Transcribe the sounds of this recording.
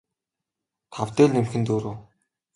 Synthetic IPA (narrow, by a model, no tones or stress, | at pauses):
t̪ʰawt̪eːɮnemxɘ̆nt̪uːɾoː